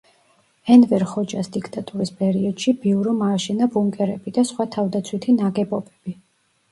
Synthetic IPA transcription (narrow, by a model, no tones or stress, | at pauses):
ɛnvɛɾχɔd͡ʒasd̪ikʰt̪ʼat̪ʼuɾispʼɛɾiɔd̪̥ʃibiuɾɔmaːʃɛnabuŋkʼɛɾɛbid̪asχwat̪ʰavd̪at̪sʰwit̪ʰinaɡɛpʼɔbɛb̥i